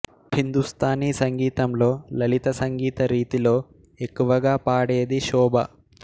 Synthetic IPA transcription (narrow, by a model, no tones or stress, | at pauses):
hind̪ust̪ʰaːniːsɐŋɡiːt̪ɐmlo̞ːlɐlit̪ɐsɐŋɡiːt̪ɐɾiːt̪ilo̞ː | e̞kːuʋɐɡaːpaːɽeːd̪iʃɔːbʱɐ̰